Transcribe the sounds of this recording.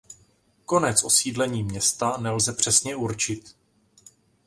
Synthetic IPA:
ko̞nɛt͡sʔo̞siːdlɛɲiːmɲɛst̪anɛlzɛpr̝̥ɛsɲɛuɾt͡ʃɪt̪

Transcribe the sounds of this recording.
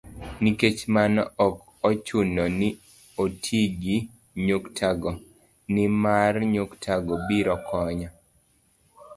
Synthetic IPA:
niket͡ʃmanɔɔk | ɔt͡ʃunɔnɪ | otʰiɡi | ɲoktʰaɡɔ | nɪmarɲoktʰaɡɔbiɾɔkʰɔɲa

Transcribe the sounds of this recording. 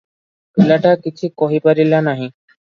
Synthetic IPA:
pilaʈakit͡ʃʰikɔɦipaɾilanaɦĩ

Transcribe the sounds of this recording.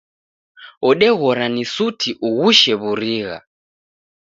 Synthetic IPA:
ɔɗɛɣɔɾanisutʰiʔuɣuʃɛβuɾiɣa̰

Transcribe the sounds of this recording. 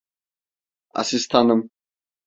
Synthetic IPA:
a̰sist̪ʰanəm

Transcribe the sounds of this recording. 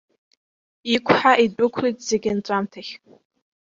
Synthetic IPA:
ikʷʰħaʔidʼʊkʷʰrijtʼz̥eɡʲɪnt͡sʷʼamtʰaχʲ

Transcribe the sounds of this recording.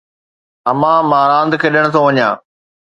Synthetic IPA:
ɐmãmaːɾãːnd̪kʰeːɗɪəɽ̃ʊ̆t̪ʰõʋɐɲjã̰ː

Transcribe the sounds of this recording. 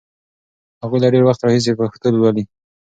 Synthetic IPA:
haɣujlaɖeɾwaxt̪ɾɑhis̬epəxt̪əlwali

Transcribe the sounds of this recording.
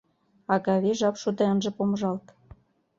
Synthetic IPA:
ɑɣɑβeʒɑpʃod̪eənʒĕpoməʒɑlt̪

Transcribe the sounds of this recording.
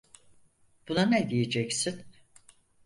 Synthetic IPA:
b̥unaned̪ijed͡ʒɛcsin

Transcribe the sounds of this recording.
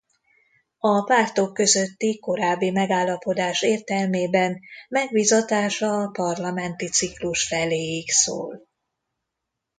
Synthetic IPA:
ɒpaːrt̪o̞kːø̞zøt̪ːiko̞ɾaːbːimɛɡaːlːɒpo̞d̪aːʃeːrt̪ɛlmeːbɛnmɛɡbizɒt̪aːʃɒpɒrlɒmɛnt̪it̪sikluʃfɛleːjikso̰ːl

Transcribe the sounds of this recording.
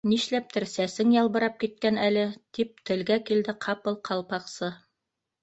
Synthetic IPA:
niʃlæp̚t̪ɘɾsæsɘŋjɑlˠβɤ̆ɾɑp̚kit̪̚kænælɘt̪ip̚t̪ʰɘ̆lɡækild̪ɘqʰɑpɤlˠqʰɑlˠpɑqsɤ

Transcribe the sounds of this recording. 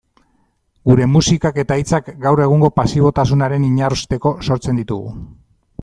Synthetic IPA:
ɡuɾe̞musikake̞t̪ait͡sakɡawre̞ɣ̞uŋɡo̞pasiβo̞t̪asunaɾe̞niɲarust̪e̞ko̞so̞ɾt͡se̞nd̪it̪uɣṵ

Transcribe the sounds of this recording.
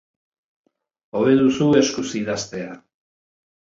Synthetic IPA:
o̞βe̞ðusue̞skusiðast̪e̞a

